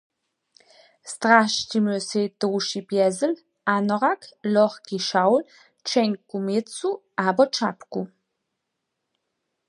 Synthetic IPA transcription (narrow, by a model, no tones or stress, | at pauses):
stʁaʃtimøsedowʃibjɛzəl | anɔʁaklɔχɡ̥iʃawl | t͡ʃɛnkumɪt͡suʔaːbɔt͡ʃapku